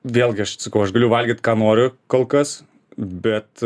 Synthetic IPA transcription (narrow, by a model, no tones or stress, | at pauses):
ʋʲeːlˠʲɡʲɪɐʃsɐkɐʊɐʃɡɐlʲʊʋɐlʲɡʲɪːt̪kɑːnoːɾʲʊkoːlˠkɐs | bʲɛt̪